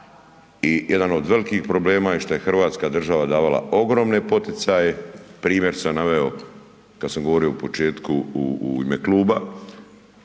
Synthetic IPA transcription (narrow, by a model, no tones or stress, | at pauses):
ijed̪ano̞d̪ʋe̞likixpɾo̞ble̞ːmajeʃt̪o̞je̞xr̩ʋaːt̪skad̪r̩ʒaʋad̪aːʋala̰o̞ɡɾo̞mne̞po̞t̪it̪sajepɾiːmjeɾsamnaʋe̞o̞ | kad̪samɡoʋo̞ɾio̞upo̞t͡ʃe̞ːt̪kuuuḭmekluːba